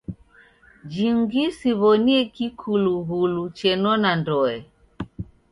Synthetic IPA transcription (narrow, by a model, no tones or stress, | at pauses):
d͡ʒiŋɡisiβɔniɛkikʰuluɣulut͡ʃɛnɔnandɔɛ